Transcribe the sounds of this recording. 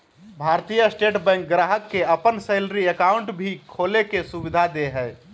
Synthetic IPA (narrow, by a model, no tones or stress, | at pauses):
bʱaɾt̪ijəsʈeʈbɛ̃ŋk̚ɡɾaɦəkːeəpənseːlɾiəkaʊɳʈbʱikʰolekesubid̪ʱad̪eɦɛ